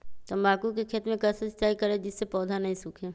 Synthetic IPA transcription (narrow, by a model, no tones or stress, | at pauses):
t̪əmbaːkukekʰeːt̪mẽkɐsɐst͡ʃaːikɐɾed͡ʒɪsːepɔːd̪ʱanɐɦĩsʊːkʰẽː